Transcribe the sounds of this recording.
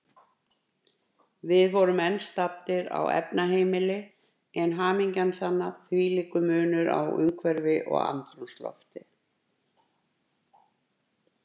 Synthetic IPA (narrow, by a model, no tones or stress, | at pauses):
vɪðvɔɾʏmɛnst̪ap̚t̪ɪɾa̰wɛ̰pnaɦeːjmɪlɪ | ɛnɦaːmiɲcansanːaθviːliːkʏmʏːnʏɾa̰wʏ̰ŋkʰvɛɾvɪʔɔ̰ɣa̰nt̪anust̪lɔ̰ft̪ɪ